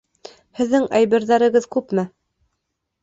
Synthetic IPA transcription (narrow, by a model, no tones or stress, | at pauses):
hɘ̆ðːɘŋæjbɘ̆ɾðæɾɘ̆ɣɤðkʉpmɘ